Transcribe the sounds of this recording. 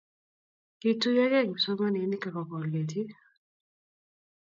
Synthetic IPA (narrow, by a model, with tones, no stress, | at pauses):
ki˦tu˦jɛ˦ɣɛ˦˨ŋ˨sɔ˦ŋa˦ni˨˦ni˦ka˨kɔ˨kɔ˨lɡe˨ti˦